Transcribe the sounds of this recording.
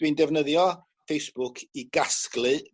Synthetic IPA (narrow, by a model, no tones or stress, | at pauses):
windɛvnəðjɔ | fejsb̥ʊkʰiɡasklˠɨ